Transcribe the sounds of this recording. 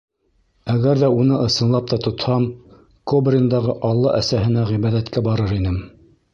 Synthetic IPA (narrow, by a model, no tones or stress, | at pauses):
æɡæɾðæunɤʔɤ̆sɤ̆nlˠɑp̚t̪ɑt̪ŏt̪hɑm | kobrʲɪnd̪ɑʁɤʔɑlˠːɑ̰ʔæsæhɘ̆næʁiβæðæt̪kæbɑɾɤɾinɘm